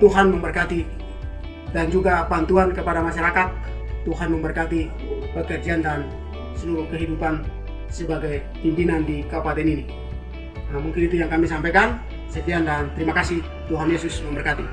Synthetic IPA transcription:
t̪uɦanməmbərkat̪i | dand͡ʒuɡapant̪uɦankəpadamaʃaɾakat̪̚ː | uɦanməmbərkat̪i | pəkərd͡ʒiandan | səluɾuhkəɦidupan | səbaɡaj | pimpinandikapadɛnini | namuŋkinit̪ujaŋkamisampɛkan | sət̪iandant̪əɾimakasih | t̪uɦanjɛsusməmbərkat̪i

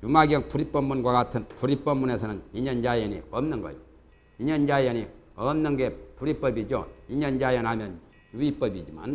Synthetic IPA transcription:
jumaɡiʌŋpuɾip͈ʌmːunɡwaɡatʰɯnpuɾip͈ʌmːune̞sʰʌnɯniɲʌnd͡ʑaianḭʌmnɯnɡʌ̰jo | iɲʌnd͡ʑaiani | ʌmnɯnɡe̞puɾip͈ʌbid͡ʑo̰iɲʌnd͡ʑaiʌnɦamjʌn | juip͈ʌbid͡ʑima̰n

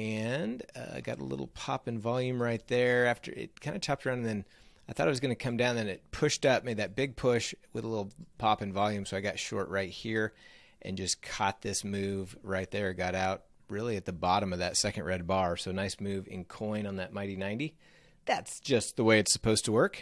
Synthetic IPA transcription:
ɨ̃nʌ̰ɪɡɑ̰ɾə̰lɪ̰ɾl̩ˠpʰɑ̰pɨ̃nvɑlˠjʉ̃mɹaɪt̪̚ðə˞æftə̰˞ɪ̰t̚kʰãɪ̃ndɨt͡ʃʰɑp̚t̚ɹãñn̩ðɨ̃n | aɪθɔɾaɪwʌzɡʌnɨkʰʌ̃mdãʊ̃nðɨ̃nɨt̚pʰʊʃtʌp̚meɪd̪̚ðɨt̚b̥ɪɡ̚pʰʊʃwɨðəlɪɾl̩ˠpʰɑpɨ̃nvɑlˠjʉ̃msoʊaɪɡɑtʃɔ̰ɹʔɹaɪt̚hiɹ | ʔɨ̰̃nd͡ʒʌskʰɑ̰t̪̚ðɪsmʉvɹaɪt̪̚ðə˞ɨɡɑɾaʊt̚ | ɹɪlˠiɨt̪̚ðəbɑɾɨ̃mʌvðɨtsɛkɨ̃n̩ʔɹɛd̚bɑɹsoʊnaɪsmʉvɪ̰̃nkʰɔ̃ɪ̃nə̃nðɨt̚mãɪ̃ɾinãɪ̃ndi | ðætsd̥ʒ̥ʌst̪̚ðəweɪɨtsə̥pʰoʊz̥tʰəwɜ˞k

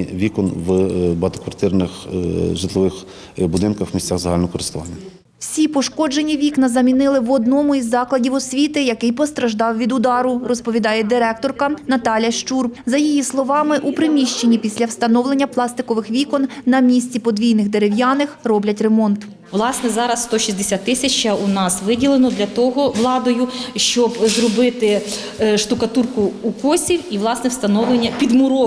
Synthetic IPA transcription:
ʋʲikɔnʋbɐt̪ɔkʋɐrt̪ɪrnɪxʒɪt̪lˠɔʋɪx | bʊd̪ɪnkɐxmʲisʲt͡sʲaxzɐɦalʲnɔɔkɔɾɪst̪ʊʋɑnʲːɐ | wsʲipɔʃkɔd͡ʒenʲiʋʲiknɐzɐmʲinɪlˠɪʋɔd̪nɔmʊizːɑklˠɐdʲiwɔsʲʋʲit̪ɪjɐkɪjpɔst̪ɾɐʒd̪ɑwʋʲid̪ʊd̪ɑɾʊrɔspɔʋʲid̪ɑjɛd̪ɪɾɛkt̪ɔrkɐnɐt̪ɑlʲjɐʃt͡ʃurzɐjijislˠɔʋɑmɪʔupɾɪmʲiʃt͡ʃenʲːipʲisʲlʲɐwst̪ɐnɔwlˠe̞nʲːɐplˠɑst̪ɪkɔʋɪxʋʲikɔnnɐmʲisʲt͡sʲipɔd̪ʲʋʲijnɪxd̪eɾɪwjɑnɪxrɔblʲɐtʲremɔnt̪ | ʋlˠɑsnɛzɑɾɐsst̪ɔʃʲisʲd̪esʲat̪t̪ːɪsʲɐt͡ʃɐunɑsʋɪdʲilˠenɔd̪lʲɐt̪ɔɦɔʋlˠɑd̪ɔjʊʃt͡ʃɔbzrɔbɪt̪ɪ | ʃt̪ʊkɐt̪urkʊːkɔsʲiwiʋlˠɑsnɛwst̪ɐnɔʋlˠenʲːɐpʲid̪mʊɾɔ

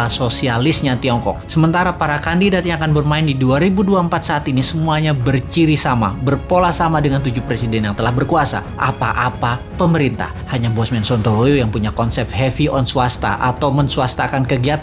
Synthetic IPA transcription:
asosialɪsɲat̪iɔŋkɔ̰k̚səmənt̪aɾapaɾakandidat̪̚ɲakanbərmaɪndiduaɾibuduaəmpat̪̚saːt̪inisəmuaɲabərt͡ʃiɾisama̰bərpolahsamadəŋant̪ud͡ʒupɾesidɛnjaŋt̪əlahbərkuasa̰ʔapa̰ʔapa | pəməɾint̪a̰hhaɲabɔsmɛnsɔnt̪olojojaŋpuɲakɔnsɛp̪̚ɦɛfiʔɔnsuast̪a̰ʔat̪awmənsuast̪akankəɡiat̪a

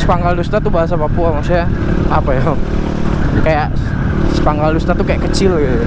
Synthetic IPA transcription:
sə̥paŋɡaldust̪at̪ubaɦas̬apapuamasjaapajaŋ | kajaʔ | sə̥paŋɡaldust̪at̪ukajakət͡ʃɪlɡit̪u

